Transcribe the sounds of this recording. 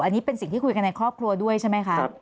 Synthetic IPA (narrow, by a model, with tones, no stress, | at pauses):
ʔa˧nːiː˦˥pe˧nsŋt̪ʰiː˥˩kʰu˧jka˧nːa˧jkʰɾɔː˥˩p̚kʰɾu˧ɐdu˥˩əjt͡ɕʰa˥˩jma˦˥jkʰa˦˥